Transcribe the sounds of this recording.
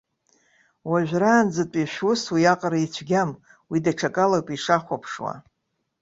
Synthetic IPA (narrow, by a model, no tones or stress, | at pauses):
waʒᶣʷraːnd͡zɨtʷʼiʃʷᶣʊswiaqʼaɾait͡ɕʷʰɡʲam | widaʈ͡ʂʰakʼalapʼiʂaχʷapʰʂwa̰